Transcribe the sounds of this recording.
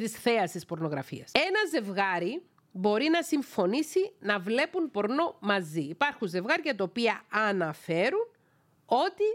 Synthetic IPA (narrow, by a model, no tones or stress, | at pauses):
t̪isθeɐst̪ispo̞ɾno̞ɣɾɐ̰fḭɐsenɐze̞vɣɐɾi | bo̞ɾinɐsiɱfo̞nisinɐvle̞punpo̞ɾno̞mɐziːpɐɾxunze̞vɣɐɾicɐt̪opiɐɐnɐfe̞ɾun | o̞t̪i